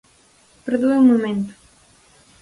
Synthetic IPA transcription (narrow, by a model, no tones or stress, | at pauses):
peɾðueumumẽnt̪u̥